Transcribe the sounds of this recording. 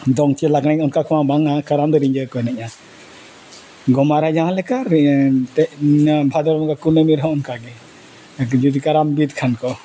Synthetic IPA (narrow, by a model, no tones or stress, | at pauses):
d̪ɔŋt͡ʃilaɡɽaɔnkakʰɔmabaŋakaɾamd̪əɾiɲd͡ʒəkɔɛnɛʔa | ɡɔmaɾad͡ʒaɦãlɛkaɾt̪ɛʔbʱad̪ɔɾɔkakunəmiɾɦɔɔnkaɡɛ | d͡ʒud̪ikaɾambid̪kʰankɔ